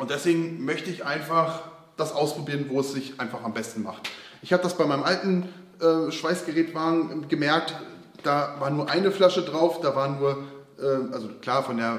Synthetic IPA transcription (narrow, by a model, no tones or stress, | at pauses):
ʔʊntd̥ɛsv̥eːɡŋ̩mœçtəɪçʔaɪnfaχ | d̥asʔaʊspʁ̥obiːʁənvoːɛsz̥ɪçʔaɪnfaχambɛstn̩ma̰χtʔɪçhaːbədasb̥aɪmaɪnəmʔaltn̩ | ʔɛːʃv̥aɪsɡ̥əʁɛːtv̥aːɡŋ̩ʔɡəmɛɐk̚t | d̥aːvaːɐnuːɐʔaɪnəflaʃədʁaʊfd̥aːvaːɐnuːɐʔɛːʔalzokl̥aːɐfɔndeːɐ